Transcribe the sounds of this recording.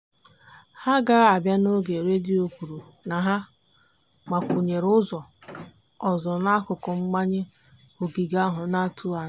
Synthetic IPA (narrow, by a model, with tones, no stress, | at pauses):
ha˦ɡa˦ɾa˨bja˦no˦ɡe˨ɾe˦dɪ˦o˨kʷu˨ɾu˨ | na˨ɦa˦ | ma˨kʷu˨ɲe˨ɾʊ˦zɔ˨ | ɔ˨zɔ˨na˦kʊ˨kʊ˨ŋ͡m̩˦ɡ͡ba˦ɲɪ˦ | o˨ɡi˨ɡa˦ɦʊ˨na˦tu˦a˨˦